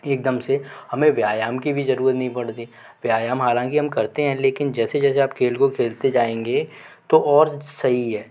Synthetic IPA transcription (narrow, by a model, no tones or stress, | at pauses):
eːk̚d̪əmsehɐmẽʋjaːjaːmkibʱizɐɾuːɾət̪nɐɦĩpɐɽt̪i | ʋjaːjaːmɦaːlãːŋkiɦɐmkɐɾt̪eɦɛ̃leːkɪnd͡ʒɛːsed͡ʒɛːseaːpkʰeːlkokʰeːlt̪ed͡ʒaːẽːŋɡe | t̪oʔɔːɾsɐɦiɦɛː